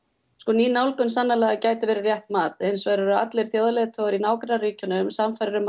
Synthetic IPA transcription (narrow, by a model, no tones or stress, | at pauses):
skɔniːnawlkʏnsanːalɛːɣacaːjt̪ɪvɛːɾɪrjɛht̪maːt̪hɪnsvaːɾʏɾʏa̰t̪lɛɾ̥θjoːwðalɛɣt̪ʰɔɣʏɾinaːwkɾnariːcʏnʏmsamfajɾɾʏm